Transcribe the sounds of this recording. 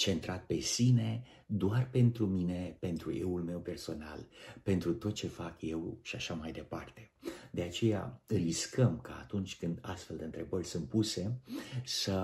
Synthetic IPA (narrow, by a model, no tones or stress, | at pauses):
t͡ʃe̞nt̪ɾat̪̚pe̞sine̞ | d̪oarpe̞nt̪ɾumine̞pe̞nt̪ɾṵjḛulme̞wpe̞rso̞na̰lpe̞nt̪ɾut̪o̞t̪̚t͡ʃe̞fakje̞wʃiaʃamajd̪e̞part̪e̞d̪e̞at͡ʃe̞ja̰ɨriskəmka̰ːt̪unt͡ʃʲkɨnd̪a̰st̪fe̞ld̪eɨnt̪ɾe̞bərʲsɨnt̪̚puse̞sə